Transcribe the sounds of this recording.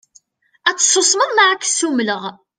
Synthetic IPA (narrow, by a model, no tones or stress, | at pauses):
æt͡sːə̥sˤːosˤməðˤmaʕakːə̥sumləʁ